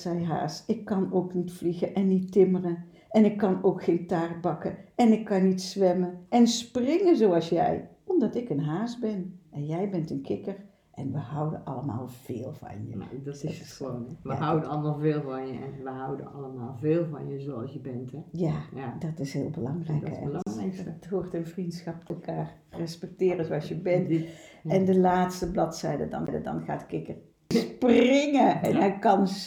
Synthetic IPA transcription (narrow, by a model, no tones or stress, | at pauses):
sɛjɦa̰ːsɪkːɑnoːknitfliɣəʔɛnːitɪmərən | ʔɛnɪkːɑnoːkxetaːrbɑkəɛnɪkːɑnːitsʋɛməɛnsprɪŋəzoɑlˠsjɛ̰j | ɔmdɑtɪkənɦaːsbɛnɛnjɛjbɛntənkʰɪkəɹ | ʔɛ̰nʋəɦɑwdə̰nʔɑ̰ləma̰ːlˠv̥eːlˠvɑ̰njə̰donʋəɦawdənɑlˠəmaːlˠveːlˠvɑnjəɛnʋəɦɑwdə̰nɑləmaːlˠveːlˠvɑ̰njəzoɑlˠsjəbɛntɛjaːdɑtɪsɦɪ̰ːlˠbəlɑŋrɛjkɛ̰ | tɦʊːrtənvrintsxɑpɛlˠkaːr | rɛspɛk̚tɪːrəzowɑlˠsjəbɛntɛndəlaːtstəblɑtsɛjdə̰dɑ̰ndə̰dɑ̰nχaːtkɪkər | sprɪŋəɛnɦɛjkɑn